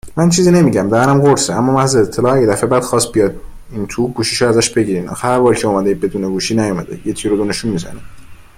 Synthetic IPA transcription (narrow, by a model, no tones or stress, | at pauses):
mænt͡ʃʰiːziːne̞miɟæmd̪æænæmɢoɾseæmːɒːmæhzeːt̪ʰːelɒːæɟed̪æfe̞bæːd̪̥xɒːst̪̚bijɒːd̪ | int̪ʰuːɡuːʃiʃoæzæʃbe̞ɟiːɾiːnʔxhæɾbɒːɾicʰeuːmæd̪eibe̞d̪uːneɡuːʃiːnæjomæd̪ejet̪ʰiːɾod̪oneʃunmizæ̰ne